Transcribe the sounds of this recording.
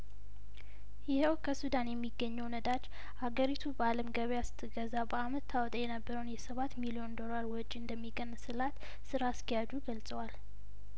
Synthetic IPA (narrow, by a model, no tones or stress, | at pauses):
jɪhɛwkʰəsud̪anjɛmːiɡːəɲːəwnəd̪ad͡ʒ | haɡəɾit̪ʰubaləmɡəβjast̪ʰɨɡəzabəamət̪ːawɔt̪ʼəjɛnəbːəɾəwnjɛsəβat̪milio̞nd̪o̞laɾwɔt͡ʃʼiɨnd̪əmːikʼːənːɨsɨlːat̪ | sɨɾaskʰəjad͡ʒuɡəlsʼəwal